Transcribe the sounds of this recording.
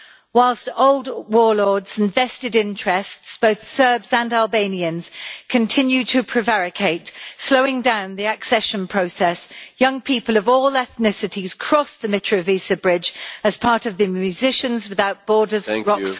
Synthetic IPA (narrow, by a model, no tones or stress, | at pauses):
waɪlˠstoʊlˠdwɔːlɔːdz̥ɪ̃nvɛstɪdɪ̃nt͡ʃʰɹ̥ɛstsb̥əʊθsɜːbzə̃nalˠbẽɪ̃niə̃nz̥kʰə̃ntʰɪ̃njʉd̚tʰəpʰɹ̥ɪvaɹɪkʰeɪtsləʊɪ̃ŋdãʊ̃nðiəksɛʃə̃npʰɹ̥əʊsɛsjʌ̃ŋpʰiˑpələvɔːlɛθnɪsɪtʰiz̥kʰɹ̥ɒsðəmɪt͡ʃɹ̥əviˑsəbɹɪd͡ʒəz̥pʰɑˑtəvðəmjʉzɪʃə̃nzwɪðaʊʔ̚b̥ɔːdəzɹɒk